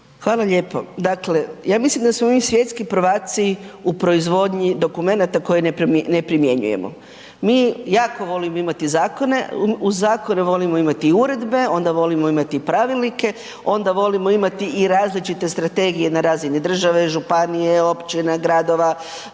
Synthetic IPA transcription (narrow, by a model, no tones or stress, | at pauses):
xʋaːlˠaʎe̞ːpo̞̰d̪akle̞jaːmislimd̪asmomisʋje̞t̪skipɾʋaːt̪siupɾo̞izʋo̞d̪ɲid̪o̞kume̞nat̪ako̞jenepne̞pɾimje̞ɲṵjḛmo̰ | miːjaːko̞ʋo̞limoimat̪izaːko̞ne̞̰uzaːko̞neʋo̞limo̞imat̪iuɾe̞d̪be̞o̞nd̪aʋo̞limo̞imat̪iːpɾaʋilˠnike̞ | o̞nd̪aʋo̞limo̞imat̪iːɾaːzlit͡ʃit̪e̞st̪ɾat̪e̞ɡije̞naɾaːzinid̪r̩ʒaʋeʒupanijeo̞pt͡ʃinaɡɾad̪oʋa